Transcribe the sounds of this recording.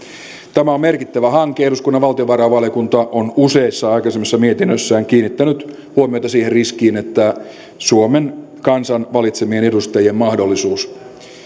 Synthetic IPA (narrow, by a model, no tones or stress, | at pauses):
t̪æmæommerkit̪ːæʋæhɑŋkːˑeeɾuskunːɑʋʋɑlt̪ioʋɑrɑʋɑljokunt̪ɑʔonuse̞isːɑɑikɑsemːisːɑmiet̪inːøsːæːŋkiːnːit̪ːænyt̪ | huomiot̪ɑsiːherriskiːnet̪ːæ | suomen | kɑnsɑnʋɑlit̪semie̞nedust̪ɑjie̞mmɑhdolːisuːs